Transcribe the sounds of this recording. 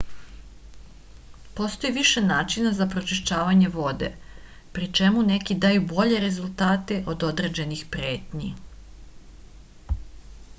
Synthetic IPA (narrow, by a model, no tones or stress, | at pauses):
po̞st̪o̞jiʋiʃe̞naːt͡ʃinazapɾo̞t͡ʃiʃt͡ɕaːʋaɲe̞ʋo̞d̪e̞̰ | pɾit͡ʃe̞mune̞kid̪ajubo̞ʎe̞ɾe̞zulˠt̪aːt̪e̞ʔo̞d̪o̞d̪ɾed͡ʑe̞nixpɾje̞ːt̪ɲi